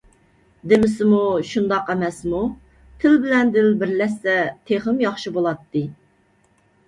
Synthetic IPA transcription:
d̪ɪmɪsɪmuʃund̪ɑqɛmɛsmu | t̪ʰɪlbɪlɛnd̪ɪlbɪɾlɛsːɛt̪ʰeχəmjɑχʃibolˠɑt̪ːɨ

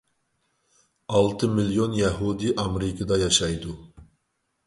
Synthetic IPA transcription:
ɑlˠt̪ʰɨmilijonjaɦud̪iʔɑmɾɪkʰəd̪ɑjɑʃɑjd̪u

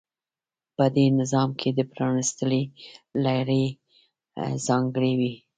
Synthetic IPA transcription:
pəd̪enɪzɑmkʰed̪əpɾɑnist̪əlelaɾe | zɑŋɡəɽewi

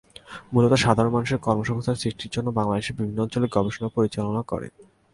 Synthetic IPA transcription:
mulot̪oʃad̪ʱaɾonmanuʃeɾkɔɾmoʃɔ̃ŋst̪ʰaɾsɾiʃʈiɾd͡ʑonːobaŋlad̪eʃeɾbibʱinːoɔnt͡ɕoleɡɔbʱeʃonapoɾit͡ɕalonakɔ̰ɾḛn

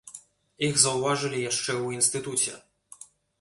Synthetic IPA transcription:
iɣzɐwvaʐɨlʲijaʂt͡ʂɛuinst̪ɨt̪ut͡sʲɛ̰

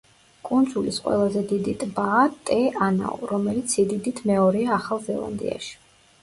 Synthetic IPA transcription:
kʼund̪zulisqʼwɛ̰lˠazɛd̪id̪it̪ʼbaːt̪ʼɛana̰ɔ̰ɾɔmɛlit̪sʰid̪id̪it̪ʰmɛɔɾiaːχalˠzɛlˠa̰nd̪ḭa̰ʃi̥

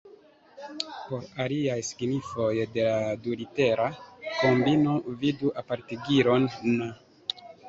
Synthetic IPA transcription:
po̞ɾaliajsi̥ɡnifo̞jde̞ladulite̞ɾʔako̞mbino̞viduʔapaɾteɡiɾo̞nːa

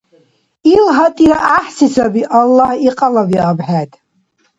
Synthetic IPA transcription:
ilɦatʼiɾaʔaħsisʰabiʔalːahiqʼalaviabħajtʼ

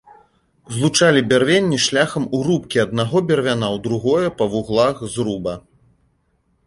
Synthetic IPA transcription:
zlˠut͡ʂalʲibʲarvʲenʲːiʂlʲaxɐmuɾupkʲiɐd̪̚naɣɔbʲɛrvʲanawd̪ɾuɣɔjɐpɐvuɣlˠaxzɾubɐ

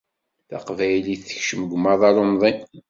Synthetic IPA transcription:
θæ̰qvæjliθə̥çʃəməɡʷmɑðˤɑɾˤomðˤin

